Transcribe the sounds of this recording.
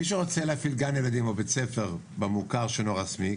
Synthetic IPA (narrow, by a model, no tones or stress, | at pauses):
miʃeʁot͡seleafilɡanelad̪imo̞bet͡sefe̞ʁ | bemukaʁʃenoʁasmi